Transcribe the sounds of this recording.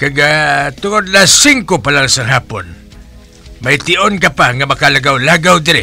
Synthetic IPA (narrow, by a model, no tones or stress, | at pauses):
kaɡat̪ʊŋod̪lasɪŋkopalaŋsaŋɦaːpon | majt̪ɪʔonkapaŋamakalaɡawlaɡawd̪ɪɾɪ